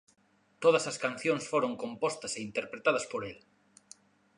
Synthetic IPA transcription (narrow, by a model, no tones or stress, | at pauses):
t̪oð̞ɐsɐskan̟θjoŋsfoɾoŋkompɔst̪ɐseint̪eɾpɾet̪að̞ɐspoɾel